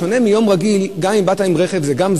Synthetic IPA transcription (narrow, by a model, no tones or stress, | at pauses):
one̞mijo̞mʁaɡilɡamimbataimʁeχe̞vzeɡamz